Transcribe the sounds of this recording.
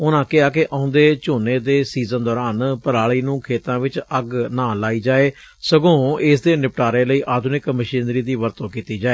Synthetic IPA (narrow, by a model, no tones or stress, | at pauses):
ʊnãːkɪaːkɪʔʔãːʊ̃nd̪eːt͡ʃoːneːd̪eːsiːzənd̪ɔːɾaːnpəɾaːɭiːnũːkʰeːt̪ãːʋɪt͡ʃəɡnãːlaːiːd͡ʒaːeː | səɡõːɪs̬d̪eːnɪpʈaːɾeːləiːʔaːd̪ʱʊnɪkməʃĩːnɾiːd̪iːʋəɾt̪õːkiːt̪iːd͡ʒaːeː